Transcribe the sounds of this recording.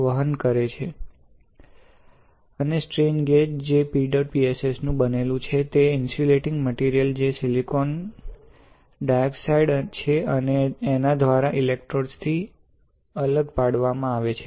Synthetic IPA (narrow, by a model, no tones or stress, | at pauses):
ʋəɦənkəɾet͡ʃʰe | ənesʈɾinɡeʈd͡ʒepiɖəɾpiesesnũbənelũt͡ʃʰet̪eɪnsuleʈɪ̃ŋɡməʈiɾijəld͡ʒesilikon | ɖajksaiɖt͡ʃʰeəneːnad̪ʋaɾaʔilek̚ʈɾoɾst̪ʰi | ələɡpaɽʋamãaʋet͡ʃʰe